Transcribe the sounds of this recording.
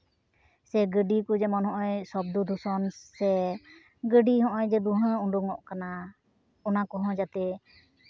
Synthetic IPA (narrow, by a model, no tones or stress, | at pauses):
sɛɡəɖikud͡ʒɛmɔnɦɔ̃ʔɔjsɔb̚d̪ud̪ʱusɔnsɛ | ɡəɖiɦɔ̃ʔɔjd͡ʒɛd̪uɦãuɖuŋɔʔkana | ɔnakɔɦɔ̃d͡ʒat̪ɛ